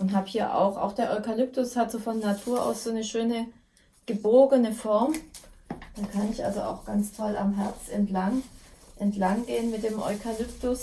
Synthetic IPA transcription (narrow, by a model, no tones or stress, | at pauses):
ʔʊntɦaːbhiːɐʔa̰ʊxʔa̰ʊxd̥eːɐʔɔʏkalʏp̚tʊshatz̥oːfɔnːatʰuːɐʔa̰ʊsz̥oːnəʃøːnə | ɡ̥əboːɡənəfɔɐm | d̥aːkʰanɪçʔa̰lzoa̰ʊxɡ̥ant͡stʰɔla̰mɦɛɐt͡sʔɛntlaŋʔɛntlaŋɡeːənmɪt̚d̥eːmʔɔ̰ʏkʰalʏptʊs